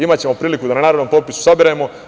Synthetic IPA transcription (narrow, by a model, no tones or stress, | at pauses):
imatt͡ɕe̞mo̞pɾiːlikud̪ananaːɾod̪nompopisu̥sabiɾajemo̞